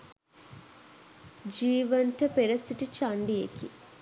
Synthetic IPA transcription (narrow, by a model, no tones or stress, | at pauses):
d͡ʒiːʋənʈəpeɾɐsiʈit͡ʃaɳɖijekḭ